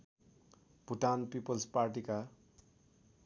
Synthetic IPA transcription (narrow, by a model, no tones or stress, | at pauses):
b̥ʱuʈanpipʌlsparʈika